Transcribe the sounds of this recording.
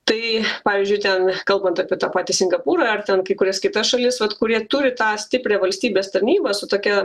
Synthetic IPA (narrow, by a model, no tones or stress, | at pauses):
t̪ɐɪpɑːʋʲizʲd͡ʒʲʊɪt̪ʲɛnkɐlˠbɐnt̪ɐpʲiɛt̪ɑːpɑːt̪ʲɪsʲɪŋɡɐpuːɾɑɐrt̪ʲɛnkɐɪkʊɾʲɛskʲɪt̪ɐsʃɐlʲɪsʋɐt̪kʊɾʲiɛt̪ʊɾʲɪt̪ɑːsʲt̪ʲɪpʲɾʲæːʋɐlʲsʲt̪ʲiːbʲeːst̪ɐɾʲnʲiːbɐːsʊt̪oːkʲɛ